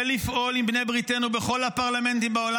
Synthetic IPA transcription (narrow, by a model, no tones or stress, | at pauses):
lifʔo̞limbne̞jbʁit̪enube̞χo̞lhapaʁlame̞nt̪imbao̞la